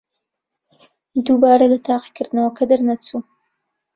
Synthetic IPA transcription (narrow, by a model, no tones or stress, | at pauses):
d̪ubɑɾalat̪ɑqi̥kɪɾnawakad̪əɾnat͡su